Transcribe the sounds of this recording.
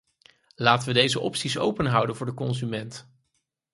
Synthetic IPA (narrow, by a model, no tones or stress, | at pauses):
laːtənʋədejzəʔɔ̰psisowpənɦʌwdənvʊːɹdəkɔnzymɛnt